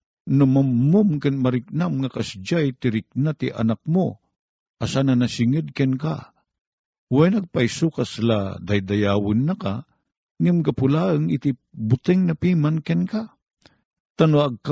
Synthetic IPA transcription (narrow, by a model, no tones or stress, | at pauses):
nomɐmːʊmkɨnmɐɾɪk̚namŋɐkɐsd͡ʒajt̪ɪɾɪk̚nat̪ɪʔɐ̰nak̚mo | ʔɐsanɐnɐsɪŋəd̪̚kɛnka̰ | wajnɐɡ̚pajsukasla̰d̪ajd̪ɐjaːwɨnːaka | ŋɪmkapʊlaəŋɪt̪ibʊt̪ɪŋnɐpiːmankɛnka | t̪anoɐɡ̚ka